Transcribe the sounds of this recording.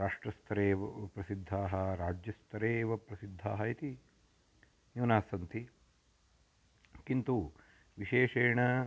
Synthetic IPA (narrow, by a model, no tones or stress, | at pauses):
ɾaːʂʈɾɐst̪ʰɐɾeːʋɐpɾɐsid̪ʱːaːɦɐɾaːd͡ʒjɐst̪ʰɐɾeːʋɐpɾɐsid̪ʱːaːɦɐit̪i | juːnaːsɐnt̪i | kint̪u | ʋiʃeːʂeːɳɐ